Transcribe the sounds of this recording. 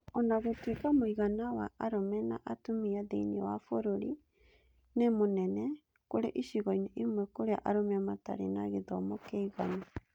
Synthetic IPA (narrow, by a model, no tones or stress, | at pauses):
ɔnaɣotwekamoiɣanawa̰ʔaɾomɛnaʔatomiadeiniawafoɾoɾi | nemonɛnɛ | koɾḛʔiʃiɣɔinɛʔimwɛkoɾea̰ʔaɾomeamata̰ɾḛnaɣeðɔmɔkeiɣana